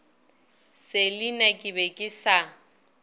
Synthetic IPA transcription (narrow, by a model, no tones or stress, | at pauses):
sɪlɪnakʼɪbɛkʼɪsa